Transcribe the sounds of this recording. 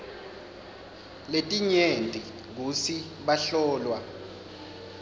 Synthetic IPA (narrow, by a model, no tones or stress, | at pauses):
letʼiɲentʼi | k̬usi | ɓaɬɔːlwa